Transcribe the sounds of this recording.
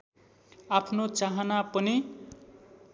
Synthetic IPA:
apʰnot͡saɦʌnapʌni

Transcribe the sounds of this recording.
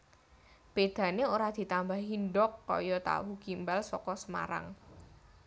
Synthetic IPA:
b̥ed̪̥ä̤neoɾad̪̥i̤t̪ambaɦinɖɔkːɔ̰jɔt̪a̰wukimbalsɔkɔsəma̰ɾa̰ŋ

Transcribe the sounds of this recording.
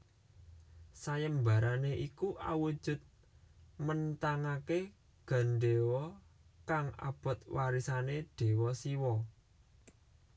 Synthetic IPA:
sajəmbaɾaneʔikuʔa̰wud̥ʒ̥ʊ̤t̪̚ | mənt̪aŋake | ɡ̥a̤nɖewɔ | kaŋa̰b̥ɔ̤t̪̚waɾisaneɖ̥e̤wɔsiwɔ

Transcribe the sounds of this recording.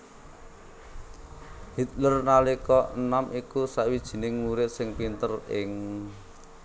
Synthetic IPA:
hit̪̚lərnalikɔnamʔikusaʔwid̥ʒ̥i̤nɪŋmuɾɪt̪̚sɪŋpint̪ərɪŋ

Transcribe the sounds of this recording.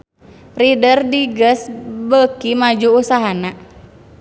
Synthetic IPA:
ridərdiɡəsbəkimad͡ʒuusaɦana

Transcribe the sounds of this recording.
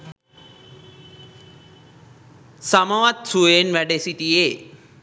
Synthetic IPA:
samɐʋat̪sueːnʋɛɖesit̪ie

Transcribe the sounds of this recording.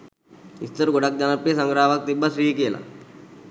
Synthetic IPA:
ist̪ɐɾɡoɽɐk̚d͡ʒɐnɐpːjesɐŋɡɾaːʋɐk̚t̪ibːɐsɾiːɦikeːla̰

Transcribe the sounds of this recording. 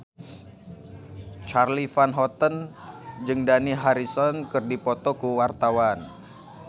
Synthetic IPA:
t͡ʃarlifanɦɔt̪ənd͡ʒɨŋdaniɦaɾisɔnkɨrdipɔt̪ɔkuwart̪awan

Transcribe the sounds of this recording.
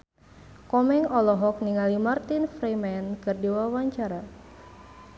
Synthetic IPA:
kɔmɛŋɔlɔɦɔk̚niŋalimart̪infɾɛmɛnkɨrdiwawaɲt͡ʃaɾa

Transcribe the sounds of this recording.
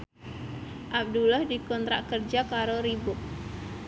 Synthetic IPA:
ʔab̚dulahdikɔnt̪ɾa̰ʔkərd͡ʒakaɾoɾibʊk̚

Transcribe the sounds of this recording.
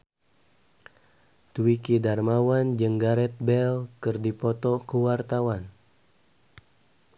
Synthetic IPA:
t̪uwikidarmawand͡ʒəŋɡaɾɛt̪̚bɛlkərdipɔt̪ɔkəwart̪awan

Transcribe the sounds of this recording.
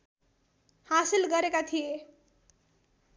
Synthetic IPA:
hasilɡʌɾekat̪ʰije

